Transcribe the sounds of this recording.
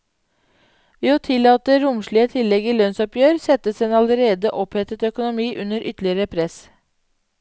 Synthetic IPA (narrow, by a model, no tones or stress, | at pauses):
ʋeːoːt̪ʰɪlɑːt̪əɾʊmʃɭiːət̪ʰɪlːɛɡiːlœnsɔpjøːɾsɛt̪əseːnɑləɾeːd̪əʔɔphɛt̪ət̪œkʊnʊmiːʔʉnəɾʔʏt̪lɪəɾəpʰɾɛs